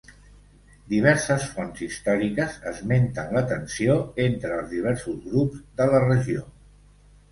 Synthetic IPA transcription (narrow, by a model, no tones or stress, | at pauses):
d̪iβ̞ɛɾsəsfɔnzist̪ɔɾikəzəzment̪ənlət̪ənsioent̪ɾəːlˠzðiβ̞ɛɾsuzɣɾupzd̪ələrəʒio